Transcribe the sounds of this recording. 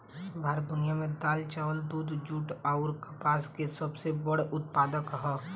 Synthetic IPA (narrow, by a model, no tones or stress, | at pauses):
bʱaːɾəd̪ʊnijamẽd̪aːlt͡ʃaːʋəld̪uːd̪ʱd͡ʒuːʈaʊɾkɐpaːskesəbsebəɽʊt̪paːd̪əkɦɛː